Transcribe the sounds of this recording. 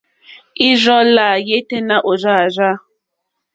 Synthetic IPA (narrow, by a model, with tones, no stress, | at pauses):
i˦zɔ˦la˨je˦te˦na˦ʔo˨za˦˨za˦